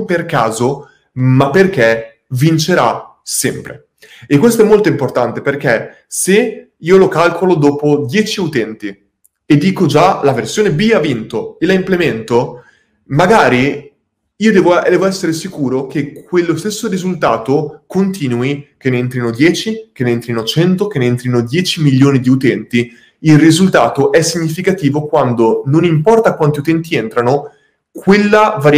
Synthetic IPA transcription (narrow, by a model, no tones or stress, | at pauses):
mperkaːzo | mapːerk̟e | vint͡ʃeɾa | sɛmpɾḛ | ekːwest̪oɛmːolt̪oimport̪ant̪eperke | se | iːolokalkʰolod̪oːpod̪jɛːt͡ʃiaut̪ɛnt̪i | ed̪ːiːkod͡ʒalaversjoːnebiavint̪oelaimplement̪o | maɡaːɾi | iːod̪ɛːvoɛːvoɛsːeɾesikuːɾokekwelːost̪esːorizult̪aːt̪okont̪iːnuikeneent̪ɾinod̪jɛːt͡ʃik̟enent̪ɾinot͡ʃɛnt̪okeneent̪ɾinod̪jɛːt͡ʃimiʎːoːnid̪iut̪ɛnt̪i | ilrizult̪aːt̪oʔɛsːiɲːifikat̪iːvokwand̪ononimpɔrt̪akwant̪iut̪ɛnt̪ient̪ɾano | kwelːavaɾ